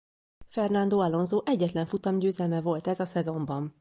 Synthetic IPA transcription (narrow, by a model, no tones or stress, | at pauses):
fɛrnɒnd̪oːɒlo̞nzoːʔɛɟːɛt̪lɛɱfut̪ɒmɟøːzɛlmɛvo̞lt̪ɛzɒsɛzo̞mbɒn